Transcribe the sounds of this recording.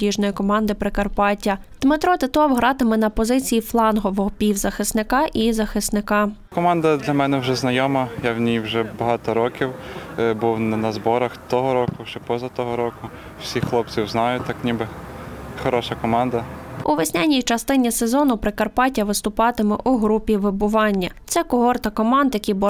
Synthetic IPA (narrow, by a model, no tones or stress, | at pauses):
iʒnɔjikɔmɑnd̪ɪpɾɪkɐrpɑtʲːɐd̪̥mɪt̪ɾɔt̪ɪt̪ɔwɦɾɑt̪ɪmɛnɐpɔzɪt͡sʲijiflˠɑnɦɔʋɔɦɔpʲiwzɐxɪsnɪkɑʔizɐxɪsnɪkɑ | kɔmɑnd̪ɐd̪lʲɐmɛnɛwʒɛznɐjɔmɐjawnʲijwʒɛbɐɦɑt̪ɔɾɔkʲiwbuw̪nɐzbɔɾɐxt̪ɔɦɔɾɔkʊwʒ̥ɛpɔzɐt̪ɔɦɔɾɔkʊ | wsʲixlˠɔp̚t͡sʲiwznɑjʊt̪ɑknʲibɪxɔɾɔʃɐkɔmɑnd̪ɐuʋɪsʲnʲanʲijt͡ʃɐst̪ɪnʲisezɔnʊpɾɪkɐrpɑtʲɐʋɪst̪ʊpɑt̪ɪmɛʔuɦɾupʲiʋɪbʊʋɑnʲːɐt̪sɛkʊɦɔrt̪ɐkɔmɑnd̪jɐkʲijbʊ